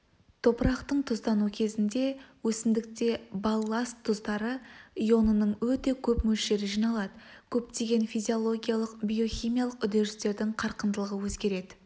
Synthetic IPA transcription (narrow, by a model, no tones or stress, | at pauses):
t̪ʰo̞pəɾɑqt̪əɴt̪ʰʊzt̪ɑnukʲʰe̞zɪnd̪e̞wɵsɪmd̪ɪk̚t̪e̞bɑlˠːɑst̪ʰːʊzd̪ɑɾəijo̞nənəɴwɵt̪e̞kʲʰɵpmɵlʃe̞ɾɪʒijnɑlˠɑd̪əkʲʰɵp̚t̪e̞ɡʲe̞nfijzʲio̞lˠo̞ɡʲijalˠəqbʲijo̞χʲijmijalˠəqʏd̪e̞ɾɪst̪e̞ɾd̪ɪŋqʰɑɾqənd̪əlˠəʁəwɵzɡʲe̞ɾe̞d̪ɪ